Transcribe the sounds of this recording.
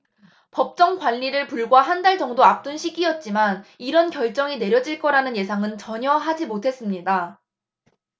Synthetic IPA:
pʌp̚t͡ɕ͈ʌŋɡwaʎːiɾɯɭpuɭɡwaɦandaɭd͡ʑʌŋdoap̚t͈ɯnɕʰiɡijʌt̚t͡ɕ͈imaniɾʌnkjʌɭt͡ɕ͈ʌŋine̞ɾjʌd͡ʑiɭk͈ʌɾanɯnje̞sʰaŋɯnt͡ɕʌɲʌɦad͡ʑimotʰe̞s͈ɯmɲida

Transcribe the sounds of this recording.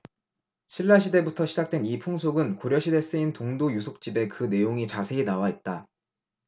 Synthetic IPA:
ɕʰiɭːaɕʰide̞butʰʌɕʰid͡ʑak̚t͈we̞nipʰuŋsʰoɡɯnkoɾjʌɕʰide̞s͈ɯintoŋdojusʰok̚t͡ɕ͈ibe̞kɯne̞joŋit͡ɕasʰe̞inawait̚t͈a

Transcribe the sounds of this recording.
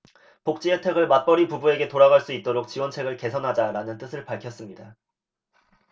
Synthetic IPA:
pok̚t͡ɕ͈ietʰe̞ɡɯɭmat̚p͈ʌɾipubue̞ɡe̞toɾaɣaɭs͈uit̚t͈oɾok̚t͡ɕiwʌnt͡ɕʰe̞ɡɯɭke̞sʰʌnɦad͡ʑaɾanɯnt͈ɯsʰɯɭpaɭkʰjʌs͈ɯmɲida

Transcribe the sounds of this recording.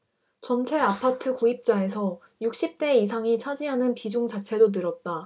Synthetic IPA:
t͡ɕʌnt͡ɕʰe̞apʰatʰɯkoip̚t͡ɕ͈ae̞sʰʌ | juk̚ɕ͈ip̚t͈e̞isʰaŋit͡ɕʰad͡ʑiɦanɯnpid͡ʑuŋt͡ɕat͡ɕʰe̞donɯɾʌt̚t͈a

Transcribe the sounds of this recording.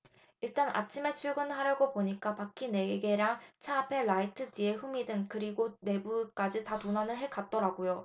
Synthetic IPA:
iɭt͈ana̰t͡ɕʰime̞t͡ɕʰuɭɡɯnɦaɾjaɡopoɲik͈apak͈ʰine̞eɡe̞ɾaŋt͡ɕʰaːpʰe̞ɭaitʰɯd͡ʑie̞ɸumidɯŋkɯɾiɡone̞buk͈ad͡ʑitatonanɯɭɦe̞k͈at̚t͈ʌɾaɡojo

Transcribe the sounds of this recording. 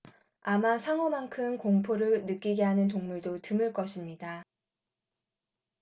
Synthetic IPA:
amasʰaŋʌmaŋkʰɯmkoŋpʰoɾɯɭnɯk͈iɡe̞ɦanɯntoŋmuɭdotɯmɯɭk͈ʌɕʰimɲida

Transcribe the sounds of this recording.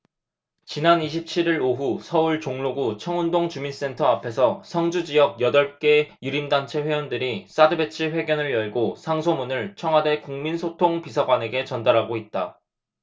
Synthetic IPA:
t͡ɕinaniɕ̬ʰip̚t͡ɕʰiɾiɾoɦusʰʌuɭt͡ɕoŋɭoɡut͡ɕʰʌŋundoŋt͡ɕumins͈e̞ntʰʌapʰe̞sʰʌsʰʌŋd͡ʑud͡ʑijʌɡ̚jʌdʌɭk͈e̞juɾimdant͡ɕʰe̞ɸwe̞ʌndɯɾis͈adɯbe̞t͡ɕʰiɸwe̞ɡjʌnɯɭjʌɭɡosʰaŋsʰomunɯɭt͡ɕʰʌŋɦwade̞kuŋminsʰotʰoŋpisʰaɡwane̞ɡe̞t͡ɕʌndaɾɦaɡoit̚t͈a̰

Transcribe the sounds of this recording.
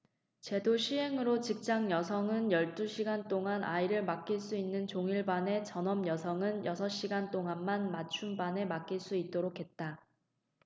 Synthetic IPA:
t͡ɕe̞doɕʰiɦe̞ŋɯɾot͡ɕik̚t͡ɕ͈aŋjʌsʰʌŋɯnjʌɭt͈uɕʰiɡant͈oŋanʔa̰iɾɯɭmak͈iɭs͈uinːɯnt͡ɕoŋiɭbane̞t͡ɕʌnʌmjʌsʰʌŋɯnjʌsʰʌɕ͈iɡant͈oŋanmanmat͡ɕʰumbane̞mak͈̚iɭs͈uit̚t͈oɾokʰe̞t̚t͈a

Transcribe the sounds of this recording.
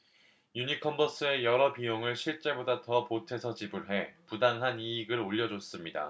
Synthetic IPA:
juɲikʰʌmbʌs͈ɯe̞jʌɾʌpijoŋɯɭɕʰiɭt͡ɕ͈e̞bodatʌpotʰe̞sʰʌt͡ɕibɯɭɦe̞pudaŋɦaniːɡɯɾoʎːʌd͡ʑos͈ɯmɲida̰

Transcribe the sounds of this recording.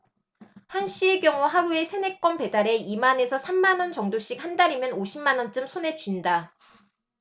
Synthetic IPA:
hanɕ͈ʰie̞kjʌŋuɦaɾue̞sʰe̞ne̞k͈wʌnpe̞daɾe̞imane̞sʰʌsʰamːanʌnt͡ɕʌŋdoɕ͈ik̚handaɾimjʌnoɕʰimːanʌnt͡ɕ͈ɯmsʰone̞t͡ɕuinda

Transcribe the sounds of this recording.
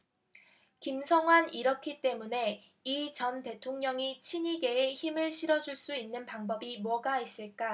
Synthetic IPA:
kimsʰʌŋɦwaniɾʌkʰit͈e̞mune̞ | it͡ɕʌnte̞tʰoŋɲʌŋit͡ɕʰiɲiɡe̞eçimɯɭɕʰiɾʌd͡ʑuɭs͈uinːɯnpaŋbʌbimuʌɡais͈ɯɭk͈a

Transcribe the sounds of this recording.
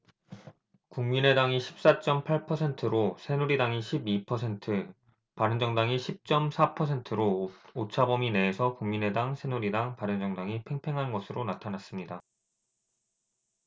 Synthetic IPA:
kuŋmine̞daŋiɕʰi̥p̚s͈at͡ɕ͈ʌmpʰaɭpʰʌsʰe̞ntʰɯɾosʰe̞nuɾidaŋiɕʰibipʰʌsʰe̞ntʰɯ | paɾɯnd͡ʑʌŋdaŋiɕʰip̚t͡ɕ͈ʌmsʰapʰʌsʰe̞ntʰɯɾoot͡ɕʰabʌmine̞ːsʰʌkuŋmine̞daŋsʰenuɾidaŋpaɾɯnd͡ʑʌŋdaŋipʰe̞ŋpʰe̞ŋɦanɡʌsʰɯɾonatʰanas͈ɯmɲida

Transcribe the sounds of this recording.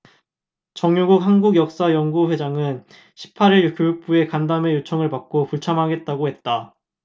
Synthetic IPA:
t͡ɕʌŋjoɡuk̚ɦanɡuɡjʌk̚s͈ajʌŋɡuɸwe̞d͡ʑaŋɯn | ɕʰi̥p̚pʰaɾiɭkjojuk̚p͈ue̞kandame̞jot͡ɕʰʌŋɯɭpak̚k͈opuɭt͡ɕʰamɦaɡe̞t̚t͈aɡohe̞t̚t͈a

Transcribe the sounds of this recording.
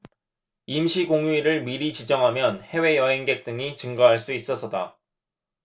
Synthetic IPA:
imɕʰiɡoŋɥiɾɯɭmiɾit͡ɕid͡ʑʌŋɦamjʌnhe̞we̞jʌɦeŋɡe̞k̚t͈ɯŋit͡ɕɯŋɡaɦaɭs͈uis͈ʌsʰʌt͈a

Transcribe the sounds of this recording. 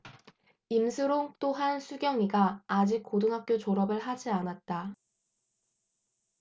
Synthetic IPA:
imsʰɯɾoŋt͈oɦansʰuɡjʌŋiɡaːd͡ʑik̚k͈odɯŋɦak̚k͈jot͡ɕoɾʌbɯɭɦad͡ʑianat̚t͈a

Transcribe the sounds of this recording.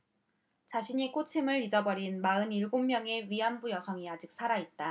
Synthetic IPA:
t͡ɕaɕʰiɲik͈ot͡ɕʰemɯɭid͡ʑʌbʌɾinmaɯniɭɡomːjʌŋe̞ɥiɦanbujʌsʰʌŋiad͡ʑik̚s͈ʰaɾait̚t͈a

